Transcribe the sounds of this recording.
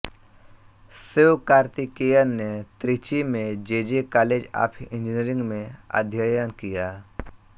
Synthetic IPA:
sewkaːɾt̪ikejəɾnet̪ɾit͡ʃimẽd͡ʒeːd͡ʒekaːleːd͡ʒa̰ːpʰɪ̃nd͡ʒɪniəɾɪ̃ŋɡmẽa̰d̪ʱjajənkijaː

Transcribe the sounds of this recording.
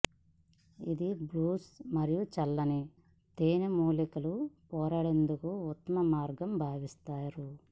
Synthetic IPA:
id̪ibluːsmɐɾijut͡ʃɐlːɐni | t̪eːnɐmuːlikɐlupɔːɾaːɽe̞nd̪ukuut̪ːɐmɐmaːɾɡɐmbʱaːʋist̪aːɾu

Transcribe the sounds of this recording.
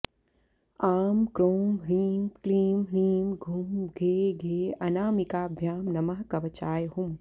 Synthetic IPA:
aːmkɾoːmɾiːmkliːmɾiːmɡʱumɡʱeːɡʱeːɐnaːmikaːbʱjaːmnɐmɐɦkɐʋɐt͡ʃaːjɦum

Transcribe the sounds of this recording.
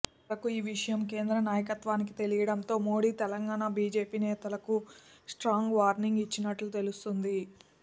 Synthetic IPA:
lɐkuiːʋiʂɐjɐmke̞ːnd̪ɾɐnaːjɐkɐt̪ʋaːnikit̪e̞lijɐɽɐnt̪o̞ːmo̞ːɽiːt̪ɛlɐŋɡaːnabiːd͡ʒe̞ːpiːnɛːt̪ɐlɐkusʈɾaːŋɡʋaːɾniŋɡit͡ʃːinɐʈlut̪e̞lust̪und̪i

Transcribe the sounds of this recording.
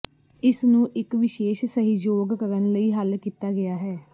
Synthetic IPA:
ɪsnũːʔɪkʋɪʃeːʃsəɦiːd͡ʒoːɡkəɾənləiːɦəlkiːt̪aːɡɪaːɦɛː

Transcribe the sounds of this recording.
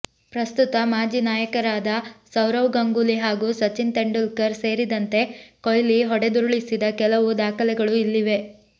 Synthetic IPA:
pɾɐst̪ut̪ɐmaːd͡ʒiːnaːjɐkɐɾaːd̪ɐsɐwɾɐwɡɐŋɡuliɦaːɡuːsɐt͡ʃint̪eɳɖulkɐɾse̞ːɾid̪ɐnt̪e̞kojliɦɔɽed̪uɾuɭisid̪ɐkɛlɐʋud̪aːkɐlɛɡɐɭuilːiʋe̞

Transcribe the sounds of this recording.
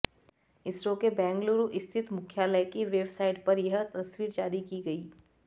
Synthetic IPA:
ɪsɾõkebɛ̃ːŋɡloːɾuʔɪst̪ʰɪt̪mʊkʰjaːləjkiʋeːbsaːɪɖpɐɾjɐɦət̪ɐswiːɾd͡ʒaːɾikiɡɐiː

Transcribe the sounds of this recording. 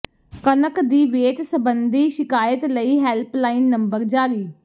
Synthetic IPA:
kənəkd̪iːʋeːt̪səbənd̪iːʃɪkaːjət̪ləiːɦɛːlplaːiːnːəmbəɾd͡ʒaːɾiː

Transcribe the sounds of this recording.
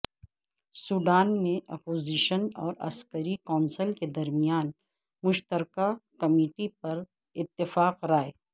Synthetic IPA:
suːɖaːnmẽʔɐpoːziːʃənɔ̰ːɾɐ̰skəɾikɔːnsəlked̪ɐɾmijaːn | mʊʃt̪əɾkakɐmiːʈipɐɾ | ɪt̪ːɪfaːqɾaːe

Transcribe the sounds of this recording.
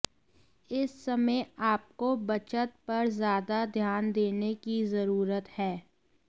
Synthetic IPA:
ɪsːɐməjaːp̚kobɐt͡ʃət̪̚pɐɾzjaːd̪ad̪ʱjaːnd̪eːnekizɐɾuːɾət̪hɛː

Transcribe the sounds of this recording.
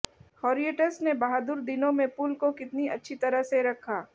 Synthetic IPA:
hɔːɾieːʈəsnebɐɦaːd̪ʊɾd̪ɪnõmẽpʊlkokɪt̪niɐtːʃʰit̪ɐɾəɦseɾɐkʰaː

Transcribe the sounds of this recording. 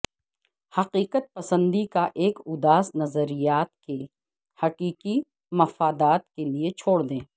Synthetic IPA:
hɐqiːqət̪̚pɐsə̃nd̪ikaʔeːkʊd̪aːsnɐzəɾijaːt̪̚ke | hɐqiːqi | mɐfaːd̪aːt̪̚keliet͡ʃʰoːɽd̪ẽː

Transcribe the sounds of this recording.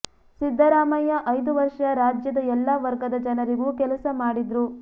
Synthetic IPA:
sid̪ʱːɐɾaːmɐjɐʔɐjd̪uʋɐɾʂɐɾaːd͡ʒjɐd̪ɐɛlːɐʋɐɾɡɐd̪ɐd͡ʒɐnɐɾiɡukɛlɐsɐmaːɽid̪ɾu

